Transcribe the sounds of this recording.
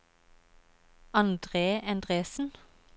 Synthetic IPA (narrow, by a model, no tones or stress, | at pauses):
ɑnd̪ʁeːɛnd̪ʁeːsn̩